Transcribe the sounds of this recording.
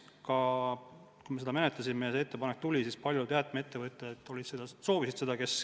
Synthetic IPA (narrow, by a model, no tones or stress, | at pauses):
kɑ | kujmee̞d̪ɑmenet̪lɑsimejɑseet̪ːe̞pɑnek̚ːˑt̪ulʲisiːspɑlʲjut̪eɑt̪ːˑmee̞t̪ːe̞vɤt̪ːˑeet̪ːˑo̞lid̪sed̥̪ɑso̞ːvisid̪̥se̞d̪ɑke̞s